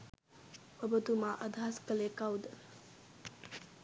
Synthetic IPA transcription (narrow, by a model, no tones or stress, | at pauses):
bɐbət̪umaʔɐd̪ʱaskɐlekawd̪ə